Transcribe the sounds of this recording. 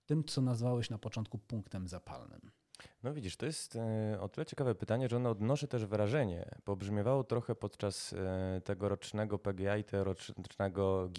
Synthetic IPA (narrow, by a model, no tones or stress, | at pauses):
t̪ɘmt̪sɔnazvawɛɕnapɔt͡ʂɔnt̪̚kupuŋkt̪ɛmzapʰa̰lnɘ̰m | nɔvʲid͡ʑiʂt̪ɔjɛst̪ɔt̪ɘlɛt͡ɕɛkavɛpɘt̪aɲɛʐɛɔnɔɔd̪nɔʂɛt̪ɛʐvɾaʐɛɲɛ̰pɔbʐmʲjɔvawɔt̪ɾɔxɛpɔt̪t͡ʂast̪ɛɡɔɾɔt͡ʂnɛɡɔpɛɡʲɛait̪ɛɾɔt͡ʂnɛɡɔɡʲ